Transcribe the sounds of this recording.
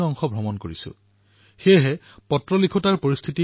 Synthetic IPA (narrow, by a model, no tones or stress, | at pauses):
ɔŋxɔbʱɔmɔnkoɹisʊ̰̃ | xejɦɛ | pɔtɹɔlikʰʊtaɹpoɹist̪ʰiti